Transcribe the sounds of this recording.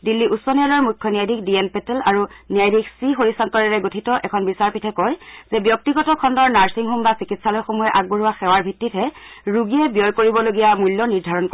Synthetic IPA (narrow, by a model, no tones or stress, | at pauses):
dilːiʔusɔniɔlɔɹmujkʰːɔniajdʱik̚dienpɛtɛlaɹunijajdʱiksixoɹisantɔɹɛɹɛɡotʰitɔʔɛkʰɔnbisaɹpitʰɛkɔjz̥ɛbjɔk̚tiɡɔtɔkʰɔndɔɹnaɹsiŋɦumbasikitsalɔjxomujɛʔaɡ̚boɹuwaxɛwaɹbʱitːitʰɦɛɹuɡiɛbijɔjkoɹibɔloɡijamulːɔniɹdʱaɹɔnk